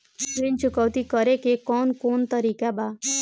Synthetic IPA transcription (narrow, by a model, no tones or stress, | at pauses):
ʃɾint͡ʃʊkəʋt̪ikəɾekekɔːnkoːnt̪əɾiːkaba